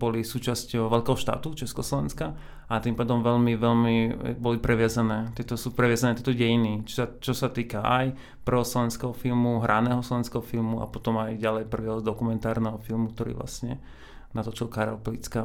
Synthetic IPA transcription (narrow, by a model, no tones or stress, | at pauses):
bɔlisuːt͡ʃascʋɛʎkɛːɦɔʃt̪a̰ːt̪ut͡ʃɛskɔslɔʋɛnska | at̪impaːd̪ɔmʋɛʎmiʋɛʎmibɔlipɾɛʋɪazanɛːt̪ɛt̪ɔsupɾɛʋɪazanɛːt̪ɛt̪ɔɟɛjinit͡ʃsat͡ʃɔsat̪iːkaʔaj | pr̩ʋɔslɔʋɛnskɛɦɔfilmuɦɾʔanɛːɦɔslˠɔʋɛnskɛɦɔfilmua̰pɔt̪ɔmajɟalɛjpr̩ʋiɔzd̪ɔkumɛnt̪aːɾnɛɦɔfilmuk̚t̪ɔɾḭːʋla̰sɲɛ | nat̪ɔt͡ʃilkaɾɛ̰plit͡ska